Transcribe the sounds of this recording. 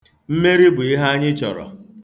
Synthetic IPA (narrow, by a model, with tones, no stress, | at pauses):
m̩˦me˦ɾi˦bʊ˨i˦ɦa˦a˦ɲɪ˦t͡ʃɔ̰˨ɾɔ̰˨